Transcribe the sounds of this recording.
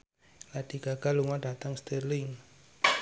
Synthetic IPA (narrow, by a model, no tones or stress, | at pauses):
ladiɡ̥aɡ̥a̤luŋaɖa̤t̪aŋst̪erlɪŋ